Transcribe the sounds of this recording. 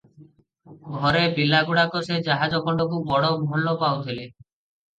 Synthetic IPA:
ɡʱɔɾebilaɡuɽakosed͡ʒaɦad͡ʒɔɡɔɳɖɔkʰubɔɽɔmɔɦɔlːɔpawt̪ʰile

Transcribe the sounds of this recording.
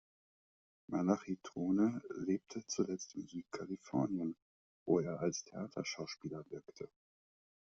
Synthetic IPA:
manaχitʁ̥oːnəleːp̚tʰət͡sulɛt͡stɪmzyːt̚kʰalifɔɐnjən | vo̰ːeːɐʔalstʰeʔaːtʰɐ̰ʃaʊʃpiːlɐvɪɐktʰə

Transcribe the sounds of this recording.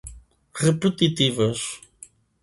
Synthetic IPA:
ʁɨpɨt̪it̪ivɐʃ

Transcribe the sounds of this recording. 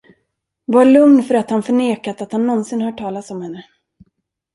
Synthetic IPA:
vaɭɵŋnfœɾat̪hanfœɳeːkat̪at̪hanːɔnsɪnhaʈʰɑːlat̪sɔmhɛnːə

